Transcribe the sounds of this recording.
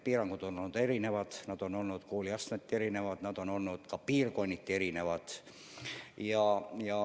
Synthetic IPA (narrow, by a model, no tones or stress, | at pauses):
piːrɑŋɡ̥ud̪onolnːud̪e̞ɾine̞ʋɑd̪̥nɑd̪̥o̞no̞lnut̪koːliɑst̪nɑt̪ːieɾine̞ʋɑd̪̥nɑd̪̥o̞no̞lnut̪kɑpiːrko̞jnit̪ʲːe̞ɾine̞ʋɑd̪̥ | jɑjɑ